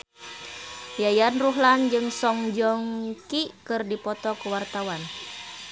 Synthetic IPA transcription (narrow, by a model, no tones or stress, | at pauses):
jajanruɦland͡ʒɨŋsɔŋd͡ʒɔŋkikɨrdipɔt̪ɔkəwart̪awan